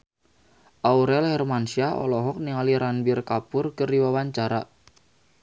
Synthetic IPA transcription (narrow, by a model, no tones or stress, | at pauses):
ʔauɾɛlhɛrmansiaɔ̰lɔɦɔk̚niŋaliɾanbirkapʊrkərdiwawaɲt͡ʃaɾa